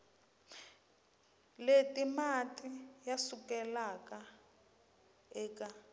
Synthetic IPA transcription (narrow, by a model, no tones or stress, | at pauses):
letimatijasukɛlaka | ɛːka